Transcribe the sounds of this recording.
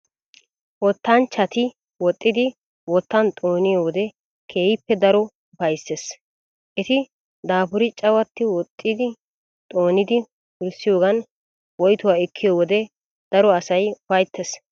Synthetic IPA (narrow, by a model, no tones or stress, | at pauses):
wɔt̪ːant͡ʃːɐt̪ɪ | wɔt̪ʼːɪd̪ɪ | wɔt̪ːɐnt̪ʼo̞ːnɪjoːwɔd̪ɛ | kʰe̞ːjɪpːɛd̪ɐɾɔ | ʊfɐjsːes | ʔɛt̪ɪ | d̪aːpʊɾɪt͡ʃʼɐwɐt̪ːɪwɔt̪ʼːɪd̪ɪ | t̪ʼoːnɪd̪ɪ | wʊlsɪjo̞ːɡɐn | wɔjt̪ʊwaːɛkʰːɪjoːwɔd̪ɛ | d̪̥ɐɾɔɐsɐjʊfɐjt̪ːɛs